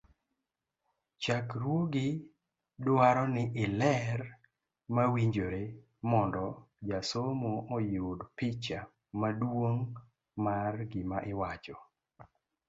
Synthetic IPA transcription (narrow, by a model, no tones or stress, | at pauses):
t͡ʃakɾwoɡɪ | dwaɾɔnɪʔɪlɛr | mawiɲd͡ʒoɾe | mɔndɔ | d͡ʒasomoɔjʊdpɪt͡ʃa | madwoŋ | marɡɪmaʔɪwat͡ʃɔ